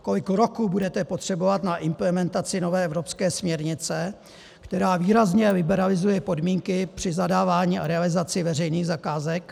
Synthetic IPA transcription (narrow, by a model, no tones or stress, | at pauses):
ko̞lɪkɾo̞kuːbudɛt̪ɛpo̞t̪r̝̥ɛbo̞vat̪naʔɪmplɛmɛnt̪at͡sɪno̞vɛːɛvɾo̞pskɛːsmɲɛɾɲɪt͡sɛ | kt̪ɛɾaːviːɾazɲɛlɪbɛɾalɪzujɛpo̞dmiːŋkɪpr̝̥ɪzadaːvaːɲiːʔaɾɛalɪzat͡sɪvɛr̝ɛjniːɣzakaːzɛk